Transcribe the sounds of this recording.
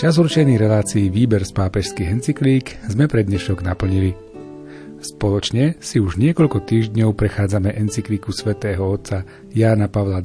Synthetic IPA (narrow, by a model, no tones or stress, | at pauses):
t͡ʃazuɾt͡ʃɛniːɾɛlaːt͡siːʋiːbɛɾspaːpɛʃskiːɣɛnt͡sikliːkzmɛpɾɛd̪ɲɛʃɔɡnapl̩ɲili | spɔlɔt͡ʃɲɛsiuʒɲɪɛkɔʎkɔt̪iːʒɟɲɔʊpɾɛxaːd͡zamɛʔɛnt͡sikliːkusʋɛt̪ɛːɦɔɔt̪t͡sa | jaːnapaʋla